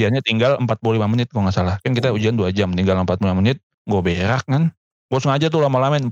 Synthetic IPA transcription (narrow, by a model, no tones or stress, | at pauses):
ianɲat̪iŋɡaləmpat̪̚pululimamənɪt̪̚ɡoŋasalahkankit̪aud͡ʒianduad͡ʒamt̪iŋɡaləmpat̪̚pulimamənɪt̪̚ | ŋɡobeɾak̚kan | ŋɡosəŋad͡ʒat̪̬ulamalamɛn